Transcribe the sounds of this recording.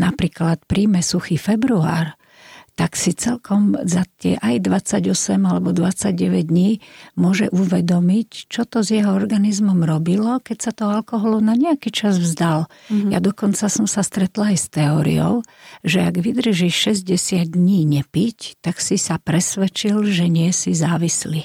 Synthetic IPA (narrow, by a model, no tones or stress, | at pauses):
napɾiːklat̪pɾiːmɛsuxifɛbɾua̰ːɾ | t̪aksit͡sɛlkɔmzat̪ɪɛʔajd̪ʋat͡saɟɔsɛmalɛbɔd̪ʋat͡saɟɟɛʋɛɟ̚d̪ɲiːmʊɔʒɛʔuʋɛd̪ɔmict͡ʃɔt̪ɔzjɛɦɔɔɾɡanizmɔmɾɔbilɔkɛcsat̪ɔɦɔalkɔɦɔlunaɲɛakit͡ʃazvzd̪alja̰d̪ɔkɔnt͡sasɔmsast̪ɾɛt̪laajst̪ɛɔːɾḭɔ̰ʊʒɛaɡʋid̪r̩ʒiʃʃɛzɟɛsɪad̪ɲiːɲɛpict̪aksisapɾɛsʋɛt͡ʃilʒɛɲɪɛsizaːʋisli